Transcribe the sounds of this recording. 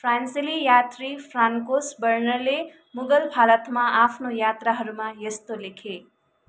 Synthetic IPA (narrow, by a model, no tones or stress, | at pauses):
fɾansilijaːt̪ɾifʰɾaːŋkosbəɾnəɾle | mʊɡəlbʱaːlət̪mãaːpʰnojaːt̪ɾaɦəɾumãjəst̪olekʰe